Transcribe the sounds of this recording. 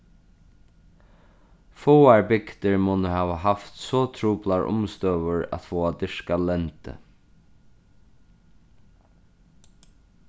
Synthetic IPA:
fɔːaɹbɪkt̪ɪɹmɔːnəɦaːʋaɦaft̪sɔt̪ʰɾuːplaɹʔʊ̰mst̪œːʋʊɹæ̰t̪fɔːad̪ɪʂkalɛnt̪ɪ̰

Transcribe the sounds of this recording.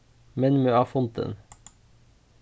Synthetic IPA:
mɛnmʉɑːfʊnt̪ə̰n

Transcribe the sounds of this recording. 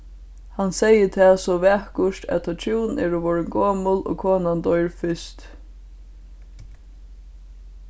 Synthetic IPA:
hansɛjət̪ʰɛːsɔʋɛːhkʊʃt̪æ̰t̪ʰɔt̪ʰuwnnɛːɹɔʋɔɹɪnɡoːmʊlo̰ːkʰoːnand̪ɔjɹfɪst̪

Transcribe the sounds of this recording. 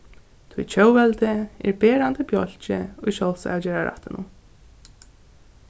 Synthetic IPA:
t̪ʰvṵjt͡ɕʰœwvɛlt̪ɪɪ̰ɾbɛːɾant̪ɪpjɔl̥t͡ɕɪ̰ujʃɔlsa̰awd͡ʑɛːɾaɾa̰ht̪ɪnʊ̰m

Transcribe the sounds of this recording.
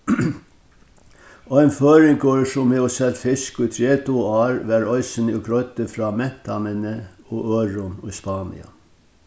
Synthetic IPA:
oːɛɪnføːɾɪŋkoːɹsʊmeːɔsɛlt̪fɪskʊit̪ʰɾeːt̪uːɑːɾʋæɾɔʏsənʊkɾœʏt̪əfɾɑːmɛt̪ʰɑmənə | uːʔøːɾʊnʊspɑːnɪ̰ɑ̰

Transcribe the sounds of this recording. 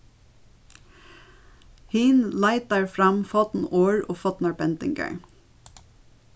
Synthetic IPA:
hiːnlɑɪt̪̚d̪æɹfɹɑmfɑt̪n̩oːɹoːfɑt̪nɑɹbɛnt̪ɪ̰ŋɡə̰ɳ

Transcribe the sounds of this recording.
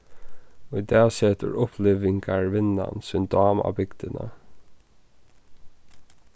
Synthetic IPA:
ɔjd̪æːseːt̪ə̰ɹʊpʰlɪːʋɪŋɡaɹʋɪna̰nsʏnd̪ɑːma̰ːbɪɡd̪ənə̰

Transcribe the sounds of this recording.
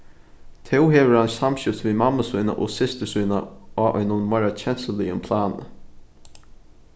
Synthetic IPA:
t̪ʰɛwɦeːʋəɹhansamɕɪft̪viːmamːasʊjna̰ʔosɪst̪əsujna̰aːʔœ̰nʊnmaɹat͡ʃʰɛn̥səliʊmpʰlaːnə̰

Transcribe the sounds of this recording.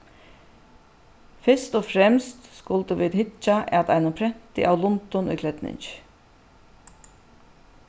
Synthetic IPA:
fɪst̪oːfɾɛmst̪skʊld̪əʋiːt̪hɪt͡ʃaʔɛt̪æɪnʊpʰɾɛm̥t̪ɪ̰ʔaʊlʊnt̪ɔnʔʏ̰ːkʰlɛt̪nɪ̰ɲt͡ʃ

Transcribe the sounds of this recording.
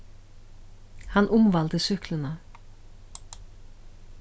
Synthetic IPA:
hanʔʊmvalt̪ɪsʏhklɪna

